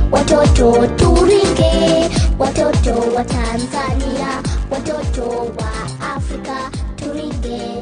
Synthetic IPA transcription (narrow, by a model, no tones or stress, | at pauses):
watɔtɔtuɾiŋɡewatɔtɔwatanzaniawatɔtɔwa | afɾikatuɾiŋɡe